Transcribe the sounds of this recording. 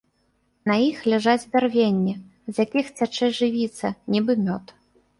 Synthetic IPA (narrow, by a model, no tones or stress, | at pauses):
nɐjixlʲaʐad͡zʲb̪ʲarvʲenʲːɛ | zjakʲixt͡sʲat͡ʂɛʐɨvʲit̪sɐnʲibɨmʲɔt̪